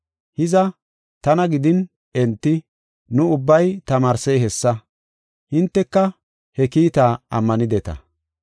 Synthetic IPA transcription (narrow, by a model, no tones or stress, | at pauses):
hɪzɐ | t̪ɐnɐɡɪd̪ɪn | ɛnt̪ːɪ | nʊʊbːɐjt̪ɐmaːɾsɛjɦɛsːɐ | hɪnt̪ːɛkːɐ | hɛkiːt̪aːɐ̰mːɐnɪd̪ɛt̪ɐ̰